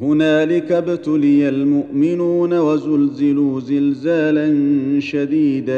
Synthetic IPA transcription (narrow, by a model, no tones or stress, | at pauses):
hʊnaːlɪkabt̪ʊlɪjalmʊʔʔmɪnuːnawazʊlzɪluːzɪlzaːlanʃad̪iːd̪a